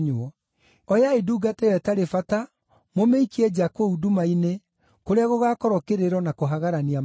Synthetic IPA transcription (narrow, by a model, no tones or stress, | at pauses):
ɲɔ | ɔjaeduːɡatejɛtaɾefata | momeikiɛd͡ʑakoudumaine | koɾeaɣoɣakɔɾɔkeɾeɾɔnakoɦaɣaɾaniam